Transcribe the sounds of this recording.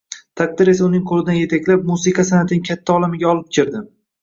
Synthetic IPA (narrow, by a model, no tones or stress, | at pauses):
t̪ʰaq̚d̪ɪɾe̞saʊnɪŋqʰolɪd̪anje̞t̪ʰakʲlap̚musɨqʰɑsanat̪ʰɪnɪŋkʲʰat̪ʰːaɒlˠamɪɡʲaɒlˠɪp̚kʲʰɪɾd̪ɪ